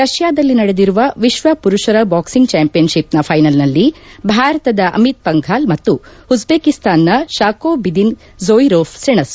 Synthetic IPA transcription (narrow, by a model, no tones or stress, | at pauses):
ɾɐʃjaːd̪ɐlːinɐɽed̪iɾuʋɐʋiʃʋɐpuɾuʃɐɾɐbaːksiŋɡ̚t͡ʃaːmpijɐnʃipnɐpʰɐjnɐlnɐlːibʱaːɾɐt̪ɐd̪ɐʔɐ̰mit̪̚pɐŋɡʱaːlmɐt̪ːuud͡ʒbeːkist̪aːnːɐʃaːkoːbid̪in | zoːjɾoːfseɳɐs